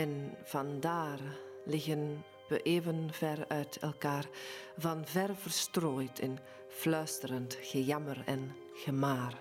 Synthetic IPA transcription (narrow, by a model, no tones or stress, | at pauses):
ɛnv̥ɑndaːrlɪɣən | ʋəʔeːvənvɛrœɥtʰɛ̰lˠkaːrvɑnvɛrvərstroːjtʰɪn | flœɥstərəntɣ̥əjɑmərɛn | ɣəmaːr